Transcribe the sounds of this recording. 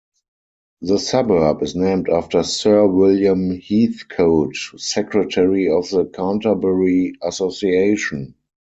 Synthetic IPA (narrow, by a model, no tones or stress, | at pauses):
ðəsabɜ˞pɪsnẽɪ̃mtaftə˞sɜ˞wɪljãmhiːθkʰoʊtsɛkɹətʰɛɹiɔfðəkʰãntabəɹiasosieɪʃə̃n